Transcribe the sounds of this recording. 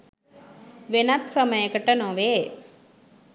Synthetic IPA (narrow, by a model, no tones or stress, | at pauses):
ʋenat̪kɾɐmɐjɐkɐʈːɐnõːʋe